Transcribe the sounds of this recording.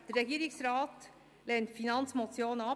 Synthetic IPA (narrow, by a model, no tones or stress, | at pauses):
d̥əɾːɛɡiːɾɪksɾɑːt | lɛːntfinɑnt͡smot͡sjoːnənɑ